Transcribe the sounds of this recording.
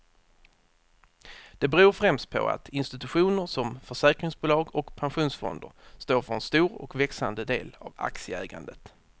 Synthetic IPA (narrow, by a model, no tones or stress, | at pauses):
d̪̥ɛbɛɾuːɾfɾɛmst̪̚pʰɔ̰a̰t̪ʰɪnst̪ɪt̪ɵɧuːnəɾʂɔmfœʂɛːkɾɪŋsbuːlɑːɡɔkpʰanɧuːnsfɔ̰nd̪əɾst̪oːɾfœɾɛnst̪uːɾɔ̰kvɛksand̪əd̪eːla̰va̰ksɪəæːɡa̰nd̪ət̪